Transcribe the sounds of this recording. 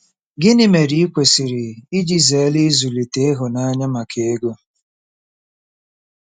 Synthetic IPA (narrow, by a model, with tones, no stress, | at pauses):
ɡɪ˦nɪ˨me˨di˨i˦kʷe˨sɪ˨ɾɪ˨i˦d͡ʒi˨ze˨˦lɪ˦zu˨li˨te˦e˦ɦʊ˨na˦a˦ɲa˦ma˨kʰe˨˦ɡo˦